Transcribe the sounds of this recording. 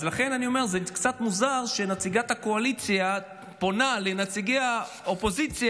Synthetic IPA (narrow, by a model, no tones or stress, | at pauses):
zlaχe̞nanio̞me̞ʁzekt͡sat̪muzaʁʃe̞nat͡siɡat̪hako̞alit͡sja | po̞nalenat͡siɡeja | opo̞zit͡sj